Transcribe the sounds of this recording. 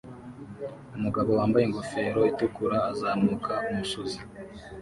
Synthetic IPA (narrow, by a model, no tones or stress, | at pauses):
umuɡaβo̞waːmbajeŋɡofe̞ːɾo̞itukuɾaːzaːmuːkʰaumuʃuzi